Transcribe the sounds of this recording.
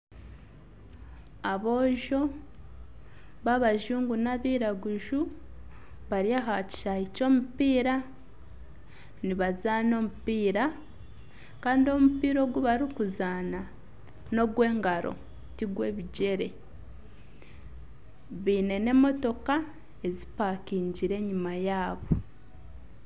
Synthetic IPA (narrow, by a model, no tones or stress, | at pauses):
aβo̞ːʒo̞ | βaβaʒuːŋɡunaβiːɾaɡuʒu | βaɾjaɦaci̥ʃaico̞ːmupiːɾa | niβazano̞mupiːɾa | kaːndio̞mupiːɾo̞ːɡuβaɾikuzaːna | no̞ɡwe̞ːŋɡaɾo̞̰ | tiɡwe̞ːβiɟe̞ɾe̞̰ | βiːne̞ne̞mo̞to̞ka | e̞zipakiːɲɟiɾe̞ɲimajaːβo